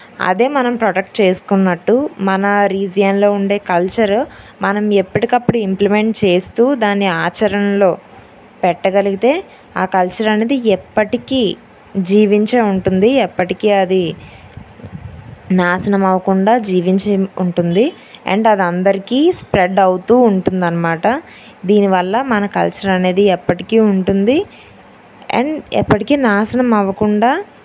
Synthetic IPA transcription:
ɐ̰d̪e̞ːmɐnɐmpɾɐʈɐk̚ʈ̚t͡ʃe̞ːsu̥kunːɐʈːumɐnɐɾiːd͡ʒijɐnlo̞ːuɳɖe̞ːkɐlt͡ʃɐɾ | mɐnɐmepːɐʈikɐpːuɽuimplimeɳʈ̚t͡ʃe̞ːst̪uːd̪aːnːiaːt͡ʃɐɾɐnɐlo̞ː | pɛʈːɐɡɐliɡit̪e̞ː | aːkɐlt͡ʃɐɾɐneːd̪iɛpːɐʈikiː | d͡ʒiːʋiɲt͡ʃeːuɳʈund̪iɛpːɐʈikiːɐd̪i | naːsɐnɐmɐʋɐkuɳɖaːd͡ʒiːʋiɲt͡ʃɐuɳʈund̪i | ḛɳɖɐd̪ɐnd̪ɐɾikiːspɾeɖɐwt̪uːɳʈund̪ɐnːɐmaːʈɐ | d̪iːniʋɐlːɐmɐnɐkɐ̰lt͡ʃɐɾɐne̞ːd̪iɛpːɐʈikiːuɳʈund̪i | ḛɳɖɛ̰pːɐʈikiːnaːsɐnɐmɐʋɐkuɳɖaː

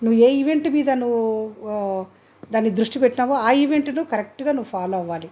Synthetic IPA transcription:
nuʋːue̞ːiʋe̞ɳʈmiːd̪ɐnuʋu | d̪aːnːid̪ɾuʂʈipɛʈːinaːʋoaːiʋe̞ɳʈnukɐɾek̚ʈɡaːnuʋupʰaːloːɐʋaːli

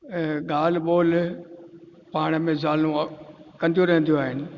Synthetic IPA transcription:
ɡaːl̤ɓoːl | paːɽ̃əmẽzaːlũkɐnd̪ijõɾɐɦə̃nd̪ijoaːɦɪnɪ̆

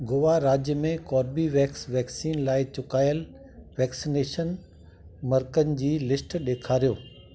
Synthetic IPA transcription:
ɡʊʋaɾaːd͡ʑjəmẽkɔːɾbiʋɛːksʋɛːksiːnlaːɪt͡ɕʊkaːjəl | ʋɛːksineːʃən | mɐɾkənɪ̆d͡ʑiːlɪsʈɗeːkʰaːɾijoː

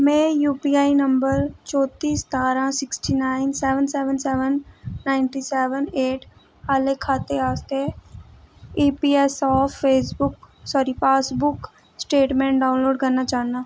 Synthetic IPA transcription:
mẽjuːpiaːinɐ̃mbəɾt͡ʃɔːt̪iːst̪aːɾãsɪksʈinaːɪnsɛːʋənsɛːʋənsɛːʋənːaːɪɳʈisɛːʋəneːʈ | haːlekʰaːt̪eaːst̪e | iːpiːesɔːfːeːsbʊk | sɔːɾipaːsbʊk | sʈeːʈmẽɳʈɖaːʊ̃nloːɖkɐɾnat͡ʃaːnaː

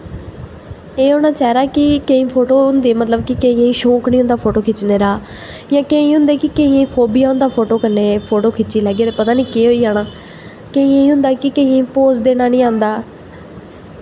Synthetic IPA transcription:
eːɦoːnãːt͡ʃɛːɾaːkɪkeĩːpʰoːʈoːʊnd̪eːmət̪ləb̚kɪkeĩːẽːĩːʃõːknĩːɦʊ̃nd̪aːpʰoːʈoːkʰɪt͡ʃneːɾaː | jãːkẽĩːɦʊ̃nd̪eːkɪkeːĩːẽĩːpʰoːbɪjaːɦʊ̃nd̪aːpʰoːʈoːkənːeːpʰoːʈoːkʰɪt͡ʃiːlɛːɡeːt̪eːpət̪aːnĩːkeːɦoːiːaːɽ̃aː | keːĩːẽĩːɦʊ̃nd̪aːkɪkeĩːẽpoːzd̪eːnaːnĩːãːnd̪aː

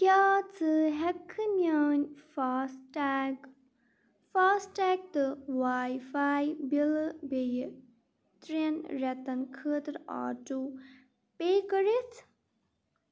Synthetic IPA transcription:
kjaːt͡sɨɦɛkʰːɨnaːnʲf | faːsʈaːk̚t̪ɨʋaːjfaːjbilbej | t̪ɾinɾɛt̪ɐnkʰəːt̪ɾa̰ːʈu | peːkəɾit̪ʰ

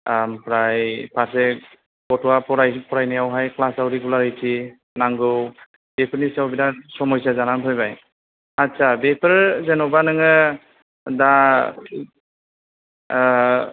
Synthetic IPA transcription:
ampɾajpʰasɛk̚ | pɔtɔwapɔɾajpʰɔɾajnajawɦajklasawɾiɡulaɾɯjtʰi | naŋɡɯw | bepʰɾnisawbinasɔmɔjsazanantʰɔjbaj | asʰabepʰɯɾzɛnɔbanɯŋɯ | da

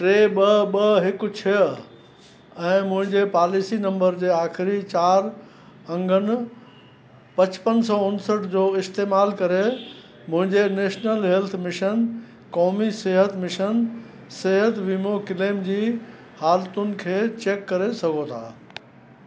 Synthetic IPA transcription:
ʈɾeːɓɐɓɐɦɪkʊt͡ɕʰɪ | ɛ̃ːmʊ̃ɦɪ̃ɲd͡ʑepaːlisinɐ̃mbəɾd͡ʑeːaːxɪɾit͡ɕaːɾ | ɐ̃ŋɡʱənɪ̆ | pɐt͡ɕpənsɔːʊnsəʈd͡ʑoːɪst̪eːmaːlkɐɾe | mʊ̃ɦɪ̃ɲd͡ʑeneːʃnəlɦɛlt̪ʰmɪʃən | kɔːmiseːɦət̪mɪʃən | seːɦət̪ʋiːmokɪleːmd͡ʑiː | haːlt̪ʊnɪ̆kʰeːt͡ɕeːkːɐɾesɐɡʱot̪ʰa̰ː

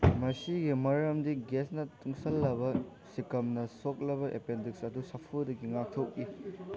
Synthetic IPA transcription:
mɐsiɡimɐɾɐmdiɡesnɐtʰuŋsɐlːɐβɐ | sikɐmnɐsok̚lɐβɐʔḛpendiksɐdusɐpʰudɐɡiŋak̚tʰok̚ːi

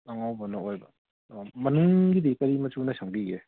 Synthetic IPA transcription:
naŋawbɐnɐojbɐ | mɐnuŋɡid̪ikɐɾimɐt͡ʃunɐsʰaŋbiɡe

